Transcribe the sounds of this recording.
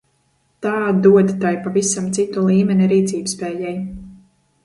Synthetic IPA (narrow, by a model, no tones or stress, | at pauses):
t̪aːd̪uɔd̪t̪ajpavisamt̪sit̪ulˠiːmɛnʲiɾiːt̪siːbspɛːjɛj